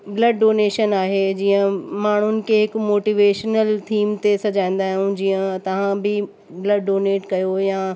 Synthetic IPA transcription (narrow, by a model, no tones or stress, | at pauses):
blɐɖːoːneːʃənaːɦed͡ʑiːə̃maːɳ̤ʊnɪ̆kʰeɦɪkmoːʈiːʋeːʃnəlt̪ʰiːmt̪esɐd͡ʑãːĩːn̆d̪aːɦijũd͡ʑiːə̃t̪ɐʋ̤ãbɪ | blɐɖːoːneːʈkɐjojaː